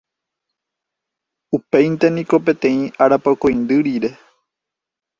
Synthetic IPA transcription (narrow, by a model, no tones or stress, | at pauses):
upejnt̪enĩko̞p̬e̞t̪ẽ̞ĩʔaɾapakõjnd̪ɨɾiɾe̞